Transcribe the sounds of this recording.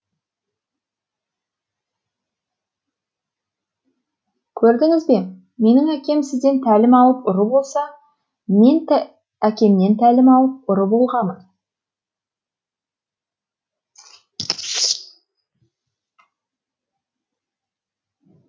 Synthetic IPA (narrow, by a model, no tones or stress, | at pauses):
kʲʰɵɾd̪ɪŋɪzbe̞ | me̞nɪŋækʲe̞msɪzd̪e̞nt̪ʰælɪmɑlˠəp̚ʊɾəbo̞lˠsɑ | me̞n | ækʲe̞mne̞nt̪ʰælɪmɑlˠəp̚ʊɾəbo̞lˠʁɑmən